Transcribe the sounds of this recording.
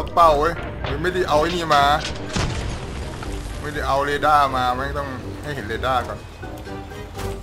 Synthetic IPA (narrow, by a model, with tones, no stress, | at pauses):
a˦˥k͡pa˥˩wʔɤː˦˥˩j | mɯ˧˦ma˥˩jda˥˩ʔa˧wʔa˥˩jniː˥˩maː˧ | ma˥˩jda˥˩jʔa˧wleː˧daː˥˩maː˧ma˧˦˥t̪ɔ˥˩ŋ | ha˥˩jɦe˩˦nleː˧daː˥˩kɔː˧˩n